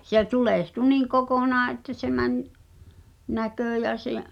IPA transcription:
se tuleˑhtu niːŋ kokonɑː ʔetːæ se mænʲ nækøˑ jæ seʔ

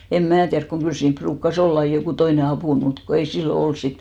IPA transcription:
em mæː tiærk koŋ kyl siːmp pruːkːɑs olː ɑi jokuˑ toine ɑpuˑn mut ko ei silːo ols sit

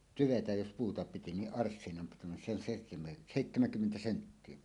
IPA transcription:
tyʋetæj jos puːtɑ piti niʔ ʔɑrsːinɑm pitunen se on seˑihte seˑitːæmæŋkymːentæ sentːie

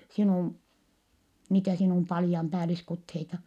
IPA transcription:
sinuˑm niːtæ sinuˑm pɑlĭjɑmpæːliskutheitɑ

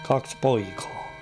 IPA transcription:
kɑks poikɑ̥ː

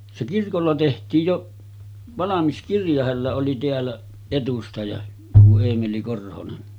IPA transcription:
se kirkolːɑ tehtˑiːj joʔ ʋɑlɑmis kirjɑ hælːæ oli teælːæ etustɑjɑ tuo eːmeli korhonen

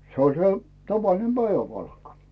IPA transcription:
se olʲ se tɑʋɑlinem b̥æiʋæpɑlkːɑ

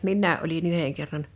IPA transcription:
minːæːʔ ʔolin yheŋ kerːɑn

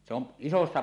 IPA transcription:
se on isosːɑ

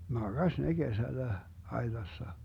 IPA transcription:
mɑɡ̊ɑsʲ ne ɡ̊esælːæ ɑi̯tɑsːɑ

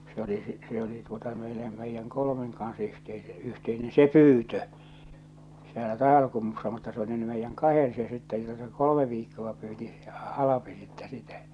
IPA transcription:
se oli si se oli tuotɑ meilem meijːæŋ kolomeŋ kɑns yhteise yhteine se pyːtø sielæ tɑˑiʋɑl̞kumːusːɑ mutːɑ se oli ny meijːæŋ kɑhen se sitːe jotɑ se kolome ʋiːkːoʋɑ pyːti se ɑlɑpi sitːɛ sitæ

